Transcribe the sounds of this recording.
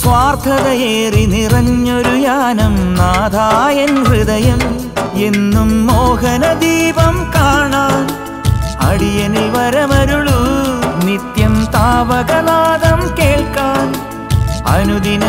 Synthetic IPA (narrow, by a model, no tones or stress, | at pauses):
sʋaːrt̪ʰɐðɐeːrinirɐɲːoɾujaːnɐmnaːd̪ʱaːjɐnrɨd̪ɐjɐm | enːumːoːɦɐnɐd̪iːbɐmkaːɳaːn | ɐ̰ɽijɐniʋɐɾɐmɐɾuɭunit̪jɐmt̪aːʋɐɣɐlaːd̪ɐmkeːɭkaːn | ɐ̰nuðinɐ